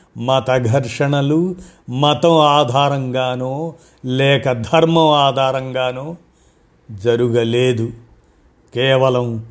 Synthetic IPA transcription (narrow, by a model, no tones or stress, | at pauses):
mɐt̪ɐɡʱɐɾʂɐɳɐlu | mɐt̪ɐmaːd̪ʱaːɾɐŋɡaːnoː | lɛːkɐd̪ʱɐɾmɐmaːd̪ʱaːɾɐŋɡaːnoː | d͡ʒɐɾuɡɐleːd̪u | kɛːʋɐlɐm